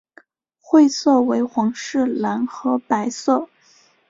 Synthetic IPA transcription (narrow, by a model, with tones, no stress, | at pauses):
xwe˥˧ɪsɤ˥˩we˧˥ɪxwɑ˧˥ŋʂɻ̩˥˩la˧˥nxɤ˧˥pa˧˥ɪsɤ˥˩